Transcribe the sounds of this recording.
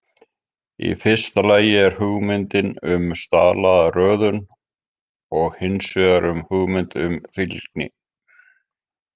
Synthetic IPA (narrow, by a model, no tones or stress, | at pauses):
ḭfɪr̥st̪alaːjɪɛɾ̥huɣmɪnt̪ɪnʏmst̪a̰ːlaðarœːðʏn | ɔɣhɪnsvœɣaɾʏmhuɣmɪnt̪ʏmfilknɪ̰